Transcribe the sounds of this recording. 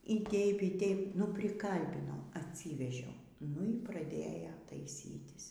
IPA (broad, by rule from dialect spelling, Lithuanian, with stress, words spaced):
iː ˈtʲɛɪp iː ˈtʲɛɪp nʊ pʲrʲɪˈkɐlʲbʲɪnɐʊ ɐtʲˈsʲiːʋʲɛʒʲɛʊ nʊ iː prɐˈdʲeːjoː tɐɪˈsʲiːtʲɪs